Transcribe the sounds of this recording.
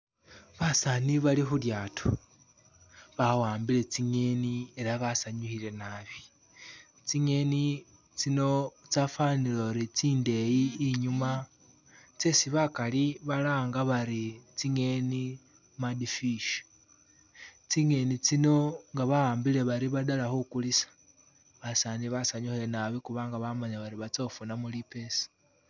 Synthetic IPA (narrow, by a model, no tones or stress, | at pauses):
βasaniβalixuljaːtʰo | βawaːmbile̞t͡siŋe̞nie̞ɾaβasaɲuhile̞naβi̥ | t͡siŋe̞ni | t͡sino̞t͡safaniloɾit͡siːnde̞jiːɲuma | t͡se̞siβakaliβalaːŋɡaβaɾit͡siŋe̞ni | madifiʃo̥ | t͡siŋe̞nit͡sino̞ŋɡaβaaːmbile̞βaɾiβadalahokulisḁ | βasaniβasaɲuheenaβikuβaŋɡaβamaɲaβaɾiβat͡sofunamulipesḁ